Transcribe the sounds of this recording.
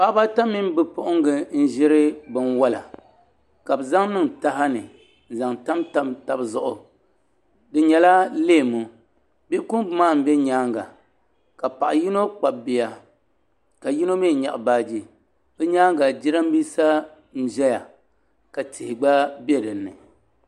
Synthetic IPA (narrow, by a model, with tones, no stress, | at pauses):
pa˦ba˦ta˦mːi˦m˦bɨ˦pʊ˦ʔʊ˦ŋ˦ɡɨ˨n̩˦ʒɪ˦ɾɨ˦bɨ˨nwa˦la˨ | ka˨bɨ˨za˦ŋnɨ˦ŋta˦ɦa˦nɨ˨ | za˨ŋta˦mta˦ta˨bzʊ˦ʔʊ˨ | dɨ˨ɲɛ˨la˦leː˦˨mu˨ | bi˦ku˦bɨ˦maː˦˨m̩˦bɛ˦ɲaː˦ŋɡa˨ | ka˨pa˨ʔji˦no˦k͡pa˨bɪ˨ja˨ | ka˨ji˦no˦me˦˨ɲa̰˨ʔbaː˦d͡ʒi˦ | bɛ˦ɲaː˦ŋɡa˨d͡ʒi˦ɾa˦m˦biː˦sa˦ | n̩˦ʒɛ˦ja˨ | ka˨tɪ˨hɪ˨ɡ͡ba˦bɛ˦dɨ˨nːɨ̰˨